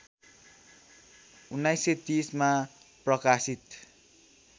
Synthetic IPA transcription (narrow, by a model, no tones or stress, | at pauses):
unːajset̪isma | prʌkasit̪